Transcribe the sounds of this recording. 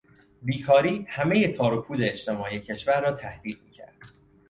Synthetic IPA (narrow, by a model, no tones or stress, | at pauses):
biːkʰɒːɾiːhæme̞je̞t̪ʰɒːɾopʰuːd̪e̞et͡ʃt̪ʰe̞mɒːijecʰe̞ʃvæɾːɒːt̪ʰæhd̪iːd̪̚miːcʰæ̰ɾd̪̥